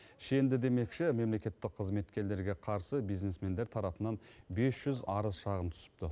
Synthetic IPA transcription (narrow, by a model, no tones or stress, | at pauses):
ʃe̞nd̪ɪd̪e̞me̞kʃɪme̞mle̞kʲe̞t̪ːɪqʰəzme̞t̪kʲe̞ɾle̞ɾɡʲe̞qʰɑɾsəbijzne̞sme̞nd̪eɾt̪ʰɑɾɑpənɑnbe̞sʒ̥ʏzɑɾəzʃɑʁəmt̪ʰʏ̥sɪ̥p̚t̪ɪ